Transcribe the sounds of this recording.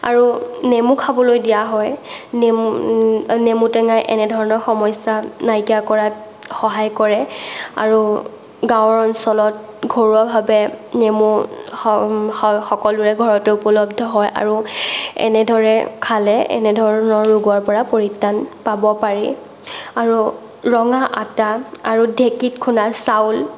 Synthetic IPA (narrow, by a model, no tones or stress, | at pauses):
a̰ɹunemukʰabɔlojdijaɦɔjne | nemutɛŋajʔɛ̰nɛdʱɔɹɔnɔɹxɔmɔjsanajkiakɔɹat | xɔɦajkɔɹɛa̰ɹu | ɡãwɔɹɔnsɔlɔt̚ɡʱoɹuabʱabɛnemu | xɔkɔlʊɹɛɡʱɔɹɔtɛupɔlɔb̚dʱɔɦɔjʔa̰ɹuɛ̰nɛdʱɔɹɛkʰalɛɛ̰nɛdʱɔɹɔnɔɹːuɡwaɹpɔɹapoɹitːanpabɔpaɹi | aɹu | ɹɔŋaʔataaɹudʱekitkʰunasawl